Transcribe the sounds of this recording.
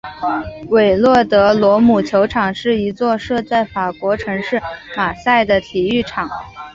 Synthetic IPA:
we˨˩ɪlwɔ˥˩t̪ɤ˧˥lwɔ˧˥mu˨˩t͡ɕʰjo˧˥ʊʈ͡ʂʰɑ˨˩ŋʂɻ̩˥˩i˧˥t͡swɔ˥˧ʂɤ˥˧t͡sa˥˩ɪfa˨˩kwɔ˧˥ʈ͡ʂʰɤ˧˥ŋʂɻ̩˥˩ma˨˩sa˥˩ɪd̪ə˩t̪ʰi˨˩y˥˩ʈ͡ʂʰɑ˨˩˦ŋ

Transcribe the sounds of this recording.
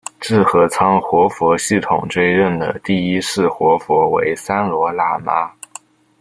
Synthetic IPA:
t͡sɹɻ̩˥˩xɤ˧˥t͡sʰɑ˥ŋxwɔ˧˥fwɔ˧˥ɕi˥˩t̪ʰʊ̰˨˩ŋʈ͡ʂwe˥ɪɻə˥˩nd̪ə̰˩t̪i˥˩i˥ʂɻ̩˥˩xwɔ˧˥fwɔ˧˥wḛ˧˥ɪsa˥nlwɔ˧˥la˥ma˥

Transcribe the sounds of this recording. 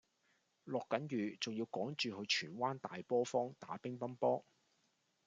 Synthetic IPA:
lɔː˨kːɐ˨˥njyː˨t͡sʊ˨ŋjiː˧wkɔː˨˥ŋt͡ʃyː˨hɵ˨˧t͡ʃʰyː˨˩nwaː˥nt̪aː˨jpɔː˥fɔː˥ŋt̪a̰ː˨˥pɪ˥ŋpɐ˥npɔː˥

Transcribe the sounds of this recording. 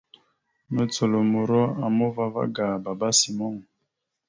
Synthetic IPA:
no˦t͡so˨lo˨mo˨ɾɔ˦a˨mo˦va˦va̰˦ɡa˨ba˨ba˦si˨mɔ˦ŋ˨

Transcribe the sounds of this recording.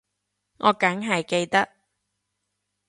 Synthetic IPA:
ŋʔɔː˨˧kɐ˨˥ŋɦɐ˨jke˧jt̪ɐ˥k̚

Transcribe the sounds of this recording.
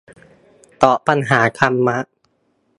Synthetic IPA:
t̪ɔː˨˩pa˧nɦaː˩˦kʰa˧mːa˦˥ʔ

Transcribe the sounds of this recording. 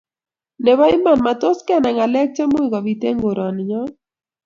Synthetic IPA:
nɛ˨βa˦ɪ˦ma˦˨nma˨t̪o˦skɛ˦nɛ˨ŋa˨lɛ˦k̚t͡ʃɛ˦mʊ˦ika˨bi˨t̪e˦ŋɡo˨ɾa˨nɲɔ˦

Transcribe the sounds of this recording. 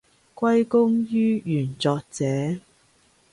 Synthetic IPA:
kʷɐ˥jkʊ˥ŋjyː˥jyː˨˩nt͡sɔː˧k̚t͡sɛː˨˦

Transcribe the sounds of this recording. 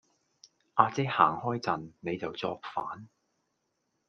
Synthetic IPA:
ʔaː˧t͡sɛ˥ha̰ː˨˩ŋhɔː˥jt͡sɐ˨nːe˨˧jt͡sɐ˨wt͡sɔː˧k̚faː˨˥n

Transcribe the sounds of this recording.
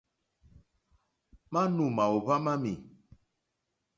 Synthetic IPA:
mã˦nũ˨mã˨o˨ba˦mã˦mi˨

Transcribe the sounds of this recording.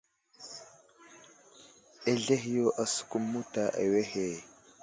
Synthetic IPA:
e˦ɮe˦ɦjo˦ʔa˨su̥˨ku˦mːu˦ta˦ʔḛ˨we˦he˨

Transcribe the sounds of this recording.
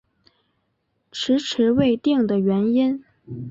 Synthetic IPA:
ʈ͡ʂʰɻ̩˧˥ʈ͡ʂʰɻ̩˧˥we˥˧ɪt̪i˥˩ŋd̪ə˩ɥɛ˧˥ni˥n

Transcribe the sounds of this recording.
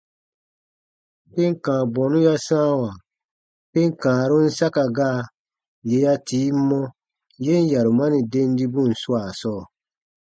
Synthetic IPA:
pe˦ŋ̩˦˨kãː˨bɔ̃˨nũ˦ja˦sãː˦wa˨ | pe˦ŋ̩˦kãː˨ɾu˦n̩˦sa˦ka˨ɡaː˦˨ | je˨ja˧tiː˨˦m̩˦mɔ̃˦ | je˦n̩˦ja˨ɾu˨ma˦nĩ˨de˦n˦di˦bũ˦˨n̩˨su˦a˨sɔː˦˨

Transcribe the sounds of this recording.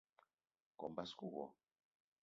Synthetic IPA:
kɔ˨mba˦sku˦˨ɣɔ̰˨

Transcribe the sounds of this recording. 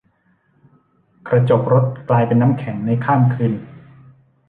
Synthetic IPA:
kɾa˧t͡ɕo˨˩k̚ɾo˦˥t̪̚klaː˧jpe˧nːaː˦˥mkʰɛ˩˦ŋna˧jkʰaː˥˩mkʰɯː˧n

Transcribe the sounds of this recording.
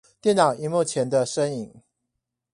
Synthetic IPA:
t̪jɛ˥˨nnɑ˨˩ʊi˨˧˦mu˥˩t͡ɕʰjɛ˨˥nd̪ə˧ʂə˦ŋi˨˩ŋ

